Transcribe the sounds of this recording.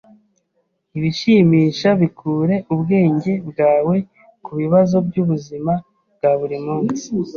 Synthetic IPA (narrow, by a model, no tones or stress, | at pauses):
iβiʃimiːʃaβikʰuːɾe̞ʔubɡe̞ːɲɟe̞bɡaːwe̞ | kuβiβazo̞bɟuβuzima | bɡaβuɾimuːnsi̥